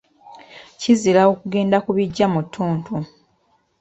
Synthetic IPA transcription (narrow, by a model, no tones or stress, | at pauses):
cizilao̞kuɡe̞ːndakuβiɟːamutʰːuːntʰu